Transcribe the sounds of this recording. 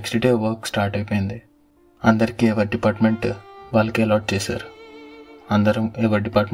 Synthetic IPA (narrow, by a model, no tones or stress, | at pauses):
ksʈiʈeːʋɐɾksʈaːɾʈɐjpoːjind̪i | ɐnd̪ɐɾikiɛʋɐɾɖipaːɾʈmeɳʈʋaːlːɐkilɔːʈ̚t͡ʃeːsa̰ːɾu | ɐnd̪ɐɾɐmɛːʋɐɾɖipaːɾʈm